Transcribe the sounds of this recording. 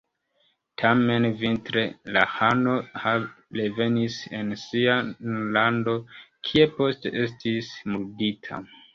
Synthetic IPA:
tʰame̞nvintɾe̞lahano̞ha | le̞ve̞nise̞nsianlando̞kʰie̞po̞ste̞̰ʔe̞s̬tismulɡitʰa̰

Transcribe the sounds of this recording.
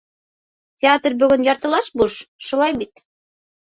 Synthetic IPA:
tʲeɑt̪rbøɣɘ̆njɑɾt̪ɤ̆lɑʃbuʃʃulˠɑjmit̪

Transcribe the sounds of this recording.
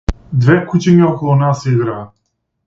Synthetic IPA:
d̪vɛkut͡ʃɛɲiɔkɔlˠɔnasiɡɾaː

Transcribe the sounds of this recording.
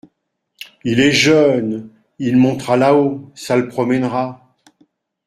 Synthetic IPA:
ilɛʒœn | ilmɔ̃t̪χalaosaləpχɔmɛnʁa

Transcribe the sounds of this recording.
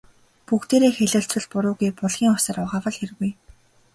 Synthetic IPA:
pukt̪eːɾeːxeɮʊ̆ɬt͡sɵ̆ɮpʊɾʊːɣujpʊɮʁ̥ʲiːŋʊsə̆rʊʁaːwə̆ɮxeɾ̆ɣuj

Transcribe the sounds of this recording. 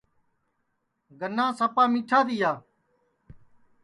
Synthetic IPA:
ɡənːãːsəpaːmiːʈʰaːd̪iːjaː

